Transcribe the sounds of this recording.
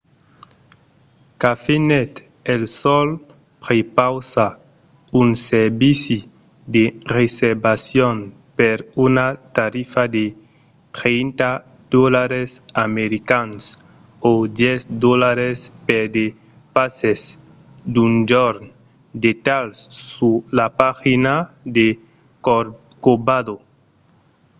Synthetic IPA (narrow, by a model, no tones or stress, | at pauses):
kafinɛt̪ | elsɔl | pɾepawsa | ũnseɾbisi | d̪ereseɾbasjon | peɾunat̪aɾifad̪e | t̪ɾent̪a | d̪̥olaɾesameɾikans | od̪jesd̪olaɾespeɾd̪e | pases | d̪und͡ʒoɾ | d̪et̪alsːulapaxina | d̪e | kobaðo